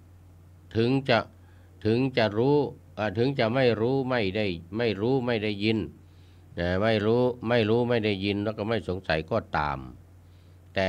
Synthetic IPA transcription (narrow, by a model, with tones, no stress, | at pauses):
t̪ʰɯ˨˦ŋt͡ɕa˨˧˩ʔ | t̪ʰɯ˨˦ŋt͡ɕa˨˩ʔɾuː˦˥ | ʔaː˧˩t̪ʰɯ˨˦ŋt͡ɕa˨ʔma˥˩jɾuː˦˥ma˥˩jda˥˩jma˥˩jɾuː˦˥ma˥˩jda˥˩jːi˧n | aː˧˩ma˥˩jɾuː˦˥ma˥˩jɾuː˦˥ma˥˩jda˥˩jːi˧nlɛː˦˥˩kɔː˥˩ma˥˩jso˩˦ŋsa˨˦jkɔː˧˩t̪a̰ː˨˩m | t̪ɛː˨˩